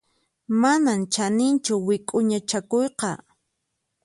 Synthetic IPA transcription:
manamt͡ʃanɪnt͡ʃʊwɪkʼʊɲat͡ʃakojqɑ

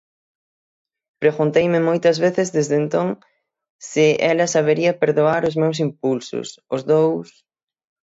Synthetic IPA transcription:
pɾeɣunt̪ejmɪmojt̪ɐzβeθɪzðezðent̪oŋ | sɪɛlɐsaβeɾiɐpeɾðoaɾʊzmews̬impulsʊ̰sʊzðows

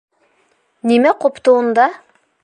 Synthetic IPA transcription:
nemeqʰopt̪owənd̪ɑ

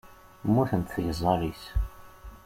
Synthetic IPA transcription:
mːʊθənt̪θjəzˤɑɾiθ

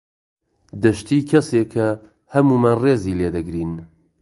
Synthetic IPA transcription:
d̪ɐʃt̪iːkʰɐseːkʰːɐ | hɐmuːmaːnreːziːleːd̪ɐɡɾiːn

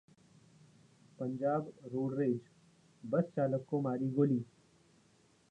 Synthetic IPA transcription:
pə̃ɲd͡ʒaːbɾoːlɾeːd͡ʒ | bəst͡ʃaːləkːomaːɾiɡoːliː

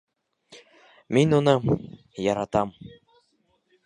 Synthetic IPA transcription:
mʲinʲunɑ | jɑɾɑt̪ɑm

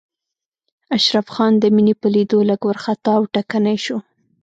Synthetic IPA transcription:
aʃɾafxɑnd̪əminipəlid̪oləɡwaɾxat̪ɑwʈakanajʃo

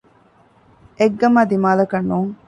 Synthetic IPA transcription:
eɡːɐmaːd̪imaːlɐkɐnːuŋ

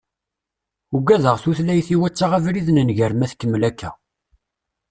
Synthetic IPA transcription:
uɡʷæðəʁθuθlæjθiwæt͡sːaʁævɾiðnənʝəɾmæθkːəmːlækːæ̰

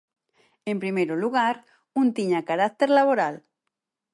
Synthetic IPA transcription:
ẽmpɾimejɾoluɣaɾ | unt̪iɲakaɾak̚t̪eɾlaβoɾal

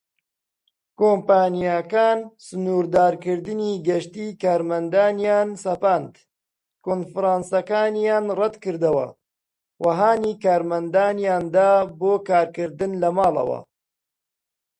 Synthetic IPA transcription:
koːmpaːnijakaːnsɨnuːɾd̪aːɾkɨɾd̪ɨniɡɐʃt̪iːkaːɾmɐnd̪aːnjaːnsɐpand̪ | koːnfɨɾɑːnsɐkaːnjaːnrɛd̪kɨɾd̪ɐwɐ̰ | wʔɐɦaːnikaːɾmɐnd̪aːnjaːnd̪aːboːkaːɾkɨɾd̪ɨnlɐmaːlɐ̰wɐ̰

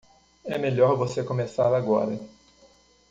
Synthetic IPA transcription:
ɛmeʎɔɾvosekomesaɾaɡɔ̰ɾɐ

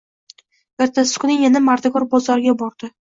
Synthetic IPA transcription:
veɾt̪ʰasʊ̥kʊnɪŋjanɪmaɾd̪aɡɒɾbɒzɒɾɡʲabɒɾd̪̥ɪ

